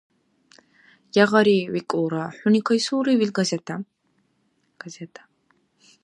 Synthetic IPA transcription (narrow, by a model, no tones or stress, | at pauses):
jaʁaɾiwikʼuːɾaħʷunikʰajsuːɾiwilɡazɛt̪ʰa | ɡ̥azɛtʰḁ